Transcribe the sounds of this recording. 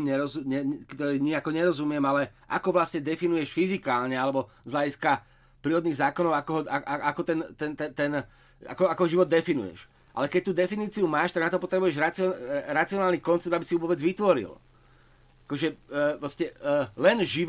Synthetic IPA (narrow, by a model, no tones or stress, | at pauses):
ɲɛɾɔzuɲɛkt̪ɔɾiːɲiakɔɲɛɾɔzumɪɛmalɛʔa̰kɔʋlasɲɛd̪ɛfinujɛʃfizikaːlɲɛalɛbɔ | zɦlaɟiska | pɾiːɾɔd̪niːɣzaːkɔnɔʊakɔɦɔaaʔakɔt̪ɛnt̪ɛnt̪ɛt̪ɛn | a̰kɔakɔɦɔʒiʋɔd̪̚ːɛfinṵjɛ̰ʃ | ʔa̰lɛkɛc̚t̪uːd̪ɛfiniːt͡siumaːʃt̪aɡ̪at̪ɔpɔt̪ɾɛbujɛʒɾat͡siɾat͡siɔnaːlniːkɔnt͡sɛb̚d̪abisiuʋɔbɛd͡zʋit̪ʋɔɾḭl | akɔʒɛpɾɔscɛlɛnʒi